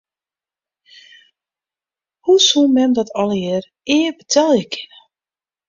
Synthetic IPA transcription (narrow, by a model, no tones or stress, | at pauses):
husumɛmdɔtɔlˠəjɪːr | ɪːbətʰɛlˠjəkʰɪ̥nə